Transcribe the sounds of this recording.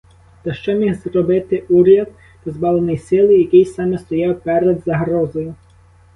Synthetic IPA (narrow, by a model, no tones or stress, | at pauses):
t̪ɐʃt͡ʃɔmʲixzrɔbɪt̪ɪʔuɾʲjɐd̪̚ | p̪ɔzbɑlˠenɔjsɪlˠɪjɐkʲijsɑmɛst̪ɔjɑwpɛɾɛd̪zɐɦɾɔzɔjʊ